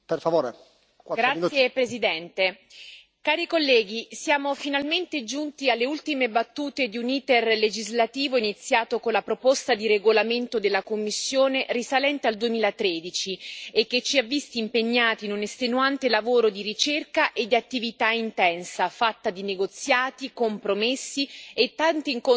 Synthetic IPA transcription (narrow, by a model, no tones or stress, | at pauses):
perfavoːɾe | kaɡ̪ɾausjjepɾezid̪ɛnt̪e | kaːɾikolːɛːɡisjaːmofinalment̪ed͡ʒunt̪ialːeult̪imebat̪ːuːt̪ed̪iuniːt̪erled͡ʒizlat̪iːvoinit̪sːjaːt̪okonlapɾopost̪ad̪iɾeɡolament̪od̪elːakomːisːjoːnerisalɛnt̪eald̪uemiːlat̪ɾeːd̪it͡ʃiekːet͡ʃːiavːist̪iːmpeɲːaːt̪iːnunest̪enuant̪elavoːɾod̪iɾit͡ʃerkaʔed̪ːiat̪ːivit̪aint̪ɛnsafat̪ːad̪ineɡot̪sːjaːt̪ikompɾomesːiet̪ːant̪iiŋko